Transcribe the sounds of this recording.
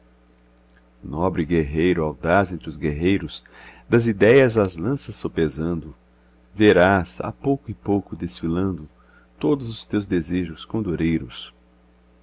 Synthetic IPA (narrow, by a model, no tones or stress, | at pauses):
nɔbɾɪɡeɦejɾʊawd̪azẽnt̪ɾʊzɡeɦejɾʊsd̪ɐzid̪ɛjɐzɐzlɐ̃sɐsːopezɐ̃nd̪ʊ | veɾasa̰powkʊɪpowkʊd̪esfilɐ̃nd̪ʊ | t̪od̪ʊzʊst̪ewzd̪ezeʒʊskõd̪oɾejɾʊs